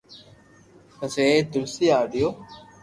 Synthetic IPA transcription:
kəseːt̪ʊlsiːaːɖɪjoː

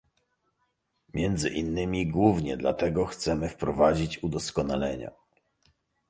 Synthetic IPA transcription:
mʲjɛnd̪zɘʔinːɘmʲiɡwuvɲɛd̪la̰t̪ɛɡɔxt̪sɛmɘfpɾɔvad͡ʑit͡ɕud̪ɔskɔnalɛɲa̰

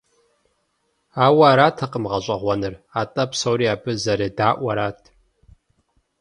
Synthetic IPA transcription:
aːwaːɾaːtʰaqʼəmʁɐɕʷʼɐʁʷɐnɨraːtʼɐpsowɾiaːbɨzɐɾeːdaːʔʷɐɾaːtʰ

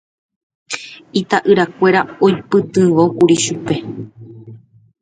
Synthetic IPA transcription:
it̪aʔɨɾakʷe̞ɾaojpɨt̪ɨ̃ʋokuɾiʃupe̞

